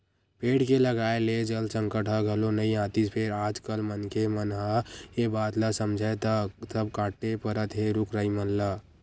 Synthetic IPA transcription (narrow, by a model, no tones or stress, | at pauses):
peːɽkeləɡaːeled͡ʒəlsə̃ŋkəʈɦəɡʱəlonəĩãːt̪id͡ʒpʰeɾaːd͡ʒkəlmənkemənɦəjebaːt̪ləsəmd͡ʒʱət̪əsəb̚kaːʈːepəɾət̪ɦeɾʊkɾəimənlə